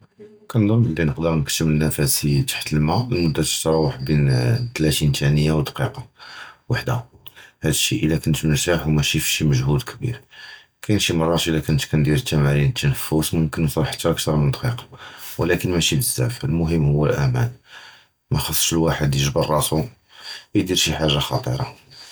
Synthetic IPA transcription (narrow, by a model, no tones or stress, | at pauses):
kænd̪ˤəmʔəlːinəqd̪əɾnəkt̪ːəmənːæfæsit̪ḁħt̪əlmæəlmʊd̪ːæt̪ə̥ʃt̪ɑɾˤɑwaħbint̪læt̪int̪ʰænəjːawd̪qiqɑwaħd̪a̰hæd̪əʃːiʔəlːækʊnt̪məɾt̪aħuwmæʃifʃiməʒhud̪kʰəbḭɾ | kæjənʃimɑrˤːɑt̪ʔəlːækʊnt̪kænd̪iɾt̪ːæmæɾint̪ːænəfːusmʊmkənjsˤɑɾˤħə̥t̪ːɾək̚t̪ɑɾˤmənd̪qiqɑ̥wlækənmæʃiləzːæ̰fəlmʊɦəmːhʊwːəlʔæmæ̰n | mæxɑsˤːʃəlwaħəd̪jəʒbərˤːɑsu | əjd̪iɾʃiħaʒːaxɑ̰t̪ˤə̰ɾˤɑ̰